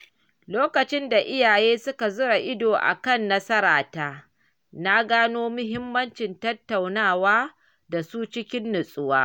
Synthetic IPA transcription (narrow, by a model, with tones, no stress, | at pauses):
loː˦kɐ˨t͡ʃɪ˦nda˨ʔɪ˦jaː˨jeː˦sʊ˦ka˨zʊ˦ɽa˨ʔɪ˦doː˨ʔa̰˨kɐ˦˨nːɐ˦sɐ˦ɾaː˨taː˦ | na˦ɡaː˦noː˦mʊ˦ɦɪ˦mːɐ˦nt͡ʃɪ˨ntɐ˦tːa˨wnaː˦˨waː˦ | da˨suː˦t͡ʃɪ˦kʲɪ˦nːʊ˨sʼʊ˦waː˦